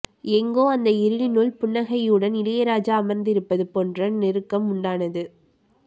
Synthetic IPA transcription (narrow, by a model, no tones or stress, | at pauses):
ɛŋɡoːɐnd̪ɐɪɾɯɻɪnɯɭpʊɳːɐɣɐjɯɽɐnɪlɐjɐɾaːd͡ʒaːmɐɾnd̪ɪɾɯpːɐðɯpondrɐnɪɾɯkːɐmʊɳɖaːnɐðɯ